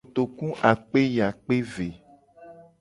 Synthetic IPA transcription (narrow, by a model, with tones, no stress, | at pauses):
t̪o˨kũ˦ʔa˨k͡pe˦ja˨k͡pe˦ve˨